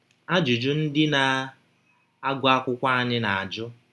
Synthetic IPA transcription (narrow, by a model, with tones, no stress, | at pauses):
a˦d͡ʒʊ˨d͡ʒʊ˦n̩˦dɪ˦na˨ | a˦ɡʷʊ˨˦a˦kʷʊ˦kʷa˦a˦˨ɲɪ˦na˨a˨d͡ʒʊ˦